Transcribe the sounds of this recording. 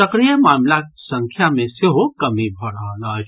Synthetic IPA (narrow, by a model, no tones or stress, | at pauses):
ɐkɾijəmaːmlasɐ̃ŋkʰjamẽsɪɦokɐmibʱɐɾaɦalaː